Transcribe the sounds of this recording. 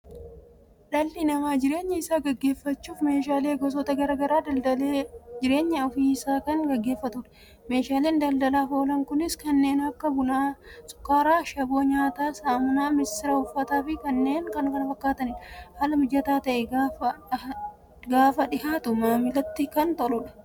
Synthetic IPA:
ᶑɐlːɪnɐmaːd͡ʒɪɾeːɲːɐɪsaːɡɐɡːe̞ːfːɐt͡ʃːuːfme̞ːʃaːleːɡɔs̬ɔt̪ɐɡɐɾɐɡɐɾaːd̪led͡ʒɪɾe̞ːɲːɐɔfiːsaːkɐŋɡɐɡːe̞ːfːɐt̪ʊᶑɐ̥ | me̞ːʃaːle̞ːnd̪ɐld̪ɐlaːfo̞ːlɐŋkʊnɪskɐnːe̞ːnɐkːɐbʊnaːsʼʊ̥kːaːɾaːʃɐbo̞ːɲaːt̪aːsaːmʊnaːmɪsɪɾɐhʊfːɐt̪aːfɪkɐnːe̞ːŋkɐnkɐnɐfɐkːaːt̪ɐnɪᶑhaːlɐmʊd͡ʒːɐt̪aːt̪ɐʔɛɡaːɐ | ɡaːfɐᶑɪhaːt̪ʊmaːmɪlɐt̪ːɪkɐnt̪ɐlʊᶑɐ̥

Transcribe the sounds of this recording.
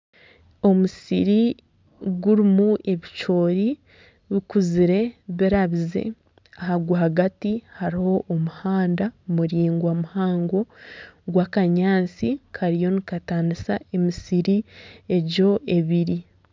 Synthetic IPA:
o̞musḭɾi | ɡuɾimue̞βit͡ʃo̞ːɾi | βikuziɾe̞βiɾaβize̞̰ | ahaɡwahaɡatihaɾiho̞ʔːmuhaːndamuɾiːŋɡwamuhaːŋɡo̞ɡwakaɲaːnt͡sikʰaɾijo̞nikataːnisa̰e̞misiɾie̞ɟo̞e̞βiɾi

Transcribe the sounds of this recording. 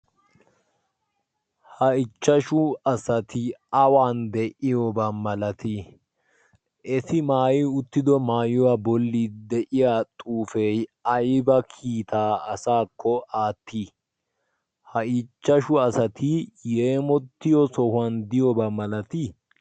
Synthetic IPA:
hɐɪt͡ʃːɐʃʊɐsɐt̪ɪɐwaːnd̪ɛʔɪjɔbɐmːɐlɐt̪ʰɪ | ʔɛsɪmaːjɪʊt̪ːɪd̪ɔmaːjʊwabɔlːiːd̪ɛʔɪjaːt̪ʼuːfejɐjbɐkʰiːt̪ʰaːɐsaːkʰːɔʔaːt̪ːi | hɐɪt͡ʃːɐʃʊɐsɐt̪ʰɪjeːmɔt̪ːɪjɔsɔhʊand̪ɪjɔbɐmːɐlɐt̪ɪ

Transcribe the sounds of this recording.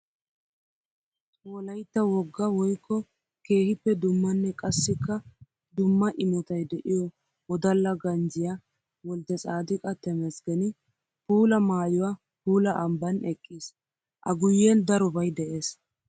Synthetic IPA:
oːlɐjt̪ːɐwɔɡːɐwɔjkːɔ | ke̞ːhɪpːɛd̪ʊmːɐnːɛkʼɐsːɪkːɐ | d̪ʊmːɐʔɪmɔt̪ɐjd̪ɛʔɪjɔ | wɔd̪ɐlːɐɡɐnd͡ʒɪja | wɔld̪ɛsʼaːd̪ɪkʼɐt̪ːɛmɛsɡɛnɪ | puːlɐmaːjʊwa | puːlɐʔɐmbɐnɛkʼːiːs | ʔɐɡʊjːɛnd̪ɐɾɔbɐjd̪ɛʔe̞ːs

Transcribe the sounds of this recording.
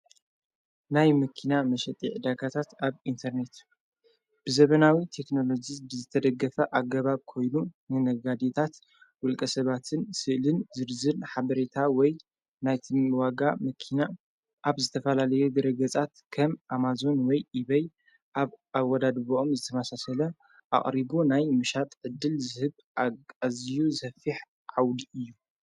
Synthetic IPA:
najmɨkʰinamɐʃɛt̪ʼiʕd̪akʰat̪ʰat̪aβint̪ʰɐɾne̞t̪ | b̥ɨzɐβɐnawit̪ʰe̞kno̞lo̞d͡ʒibɨzɨt̪ʰɐd̪ɐɡːɐfɐʔaɡɐβaβkʰo̞jnunɨnɐɡad̪et̪ʰat̪ | wʊlkʼɐsɐβat̪ʰɨnsɨʔlɨnzɨɾzɨnħaβɐɾe̞t̪ʰawɔj | najt̪ʰɨnwaɡamɐkʰina | ʔaβzɨt̪ʰɐfɐlalɐjuɡɐɾɐɡɐt͡sʼat̪kʰɐmʔamazo̞nwɔjʔiβɐj | ʔaβawːɐd̪ad̪boʔomzɨt̪ʰɐmasasɐlɐ | ʔa̰χʼɾibunajmɨʃat̪ʼʕɨd̪ːɨlzɨhɨβ | akʼazijuzɐfiħ | ʕawd̪iɨjːu

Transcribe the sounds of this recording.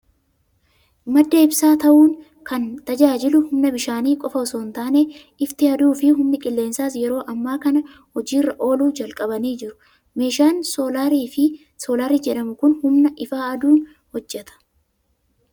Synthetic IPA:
mɐd̪ːeːɪbsaːt̪ɐʔuːn | kɐnt̪ɐd͡ʒaːd͡ʒɪlʊhʊmnɐbɪʃaːniːkʼɔfɐɔsoːnt̪aːneː | ɪft̪ɪɐd̪uːfɪɦʊmnɪkʼɪlːe̞ːnsaːs̬jɛɾo̞ːʔɐmːaːkɐnɐ | hɔd͡ʒiːrːɐʔo̞ːluːd͡ʒɐlkʼɐbɐniːd͡ʒɪɾʊ̥ | me̞ːʃaːnsoːlaɾiːfɪ | so̞ːlaːɾiːd͡ʒɛᶑɐmʊkʊnhʊmnɐʔɪfaːɐd̪uːn | hɔd͡ʒːɛt̪ɐ̥

